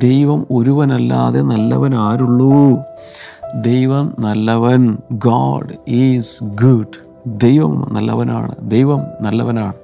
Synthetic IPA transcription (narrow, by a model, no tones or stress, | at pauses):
d̪e̞jʋɐmo̞ɾuʋɐnɐlːa̰ːðenɐlːɐ̰ʋɐnaːɾuɭːu | d̪e̞jʋɐmnɐlːɐʋɐnɡɔ̰ːɖisɡuɖ | d̪e̞jʋɐ̰mnɐ̰lːɐ̰ʋɐna̰ːɳɨ̰d̪ejʋɐmnɐlːɐʋɐnaːɳɨ